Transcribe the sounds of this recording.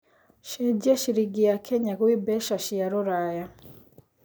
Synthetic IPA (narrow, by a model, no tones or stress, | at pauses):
ʃɛɟeʃiɾiɡijakʰɛɲakwibɛʃaʃijaɾoɾaja